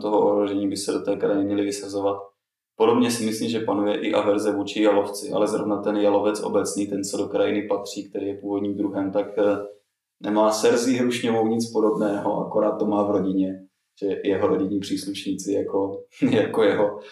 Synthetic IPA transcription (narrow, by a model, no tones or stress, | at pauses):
t̪o̞ɦoʔoɦɾoʒɛɲiːbɪsɛdo̞t̪ɛːkɾajɛmɲɛlɪvɪsazovat̪̚ | podo̞bɲɛsɪmɪsliːmʒɛpanujɛʔɪʔavɛɾzɛvuːt͡ʃɪjaloft͡sɪʔa̰lɛzɾovnat̪ɛnjalo̞vɛt͡sʔo̰bɛt͡sniːt̪ɛnsɛdo̞kɾajɪnɪpat̪r̝̥iːk̚t̪ɛɾiːjɛpuːvo̞dɲiːmd̪ɾuɦɛmt̪ak | nɛmaːsɛɾziɦɾuʃɲovo̞wɲɪt͡spodo̞bnɛːɦoʔa̰ko̞ɾaːt̪̚ːo̞maːvɾo̞ɟɪɲɛ | ʒ̥ɛjɛɦoɾoɟɪɲiːpr̝̥iːsluʃɲiːt͡sɪjakojakojɛɦo